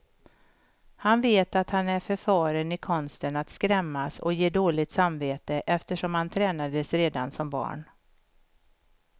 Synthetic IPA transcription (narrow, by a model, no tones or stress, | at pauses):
hanveːt̪at̪hanæɾfœɾfɑːɾənɪkʰɔnst̪ənat̪skɾɛmːasɔ̰jeːd̪oːlɪt̪samveːt̪əʔɛft̪əʂɔmhant̪ʰɾɛːnad̪əsɾeːd̪ansɔmbɑ̰ːɳ